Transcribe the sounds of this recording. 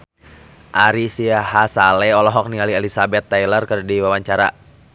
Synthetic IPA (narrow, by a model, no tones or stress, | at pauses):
ʔaɾisiaɦasalɛɔlɔɦɔk̚nialiɛlisabɛt̪ːajlərkərdiwawaɲt͡ʃaɾa̰